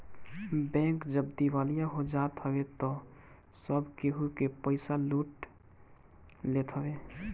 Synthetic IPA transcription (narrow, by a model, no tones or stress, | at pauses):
bɛ̃ŋkd͡ʒəb̚d̪iwalijaɦod͡ʒat̪ɦəbet̪ɔ | səbkeɦukepəɪsaluʈ | let̪ʰɦəbe